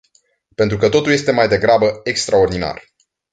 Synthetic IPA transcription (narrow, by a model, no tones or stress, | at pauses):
pent̪ɾukət̪o̞t̪ulje̞st̪e̞majd̪e̞ɡɾabəekst̪ɾao̞rd̪ina̰r